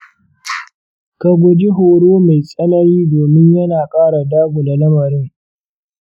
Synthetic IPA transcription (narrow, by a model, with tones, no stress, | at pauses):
ka˨ɡʷʊ˨d͡ʒi˦ɦoː˨ɽoː˦ma˨jsʼɐ˦nɐ˦niː˦doː˨mɪ˦ɲjɐ˦naː˨kʼaː˦ɽa˨daː˦ɡʷo˨da˨lɐ˦mɐ˨ɾɪ˦ŋ